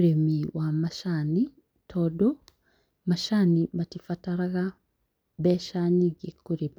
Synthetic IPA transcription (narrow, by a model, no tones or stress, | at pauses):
ɾemiwʔamaʃani | tʰodo | maʃanimatifataɾaɣa | βeʃaːɲiɡekːuɾema